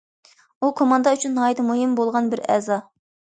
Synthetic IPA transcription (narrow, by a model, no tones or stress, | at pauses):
ukʰomɑnd̪ɑyt͡ʃʰynːɑːid̪ɨmuɦɪmbolˠʁɑnbɪɾɛ̰ːzɑ